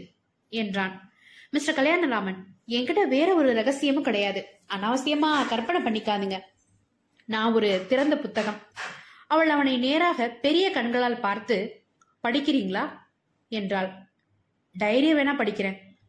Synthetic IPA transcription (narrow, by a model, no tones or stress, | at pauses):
ɛndraːn | mɪsʈɾɐkɐljaːnɐɾaːmɐnɛŋɡɪʈɐʋeːɾɐɔɾɯɾɐɣɐsɪjɐmɯkɪɽɐjaːðɯ | ɐnːaːʋɐsɪjɐmaːkɐɾpɐnɐpɐɳːɪkːaːðɯŋɡɐ | nãːɔɾɯt̪ɪɾɐnd̪ɐpʊt̪ːɐɣɐm | ɐʋɐɭɐʋɐnɐɪneːɾaːɣɐpɛɾɪjɐkɐɳɡɐɭaːlpaːɾt̪ɯ | pɐɽɪkːɪɾiːŋɡɐɭaː | ɛndraːl | ɖɐjɐɾɪjɐʋeːnaːpɐɽɪkːɪɾẽː